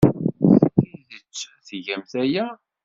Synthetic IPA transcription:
sθiðət͡ʃː | θʝæmθæjæ

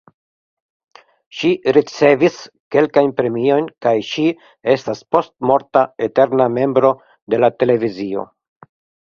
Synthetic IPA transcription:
ʃiɾit͡se̞vis | ke̞lkajnpɾe̞mio̞jnkajʃi | e̞staspo̞stmo̞ɾtae̞te̞ɾname̞mbɾo̞ | de̞late̞le̞vizio̞̰

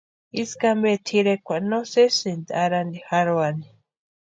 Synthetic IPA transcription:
iskambet̪ʰiɾekʷanosesind̪aɾand̪ixaɾwani

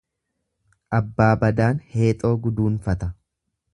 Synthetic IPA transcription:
ʔɐbːaːbɐd̪aːnhe̞ːt̪ʼo̞ːɡʊd̪uːnfɐt̪ɐ

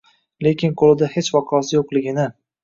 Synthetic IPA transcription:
le̞kʲʰɪnqʰolˠɪd̪ahet͡ʃvɒqʰɑɒsɪjoqlɪɡʲɪnɪ

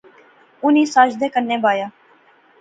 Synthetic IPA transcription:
ʊniːsaːd͡ʒd̪eːkənːẽːbaːjaː

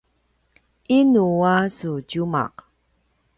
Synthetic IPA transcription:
ʔinuasucuma̰q

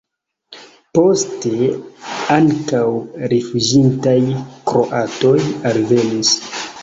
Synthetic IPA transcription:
po̞ste̞ | aŋkawɾifud͡ʒintajkɾo̰ʔato̞jalve̞nis

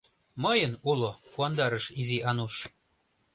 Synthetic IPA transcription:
məjənulopuɑnd̪ɑɾəʃiziʔɑnuʃ

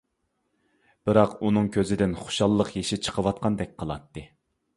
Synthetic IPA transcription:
b̥ɨɾɑqunɨŋkʲʰøzɪd̪ɪnχʊ̥ʃɑlˠːəqjeʃɪt͡ʃʰə̥qʰəwɑt̪̚qʰɑnd̪ɛk̚ʲqʰəlˠɑ̰t̪ːɨ

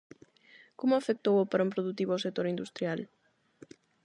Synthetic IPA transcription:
komʊafek̚t̪owopaɾompɾoðut̪iβoawsek̚t̪oɾind̪ust̪ɾjal

